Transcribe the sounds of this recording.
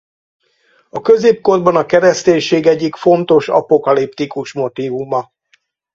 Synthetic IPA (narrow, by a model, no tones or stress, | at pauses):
ɒkø̞zeːp̚ko̞rbɒnɒkɛɾɛst̪eːɲʃeːɡɛɟːikfo̞nt̪o̞ʃɒ̰po̞kɒlip̚t̪ikuʃmo̞t̪iːvumɒ